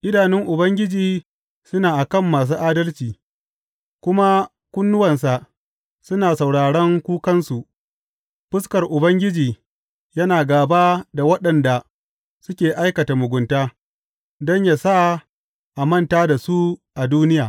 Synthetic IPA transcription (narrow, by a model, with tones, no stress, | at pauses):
ʔɪ˦daː˨nɪ˦ŋʔʊ˨bɐ˦ŋɡʲɪ˦d͡ʒiː˨ | sʊ˦naː˨ʔa˨kɐ˦˨mːaː˨s̬uː˦ʔaː˦dɐ˦lt͡ʃiː˨ | kʷʊ˦ma˦ | kʷʊ˦nːʊ˦wɐ˨ns̬a˨ʔ | sʊ˦naː˨sa˨wɽaː˨ɽɐ˦ŋkʷuː˦kɐ˦nsu˨ʔ | ɸɪ˦skɐ˨rʔʊ˨bɐ˦ŋɡʲɪ˦d͡ʒiː˨ | jɐ˦naː˨ɡaː˨baː˦da˨wɐ˦ɗɐ˨nda˨ | sʊ˦kʲeː˨ʔa˦jkɐ˨ta˨mʊ˨ɡʷʊ˨ntaː˦ | dɔ˦ɲjaː˨sa˦ | ʔa˨mɐ˦ntaː˦da˨su˦ʔa˨duː˦nɪ˦jaː˨